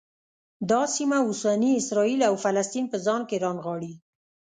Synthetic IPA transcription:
d̪ɑsimaʊsaniɪsɾɑilawfalast̪inpəzɑnkeɾɑnɣɑɽi

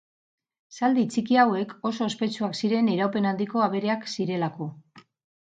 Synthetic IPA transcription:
sald̪it͡sikiawe̞ko̞so̞espe̞t͡ʃuaksiɾe̞niɾawpe̞nand̪iko̞aβ̞e̞ɾe̞aksiɾe̞lako̞

